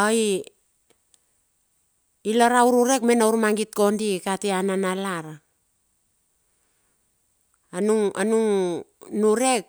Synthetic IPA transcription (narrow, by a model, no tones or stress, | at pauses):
ai | ilaɾauɾuɾe̞kmenauɾmaŋɡit̚ko̞ndikatiananalaɾa | anuŋanuŋnuɾe̞k̚